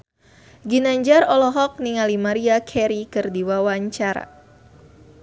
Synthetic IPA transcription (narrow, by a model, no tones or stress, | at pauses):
ɡinaɲd͡ʒaɾɔlɔɦɔk̚niŋalimaɾiakʰɛɾikɨrdiwawaɲt͡ʃaɾa̰